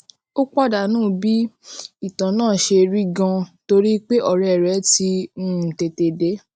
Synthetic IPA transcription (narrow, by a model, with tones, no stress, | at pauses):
o˦k͡pɔ˦˨da˨nũː˦˨bi˦i˦˨tã˨nãː˦˨ʃe˧ɾi˦ɡã˧to˧ɾi˦k͡pe˦ʔɔ˦˨ɾɛ˨ɾɛ˨˦tĩ˧˦˨te˧te˧de˨˦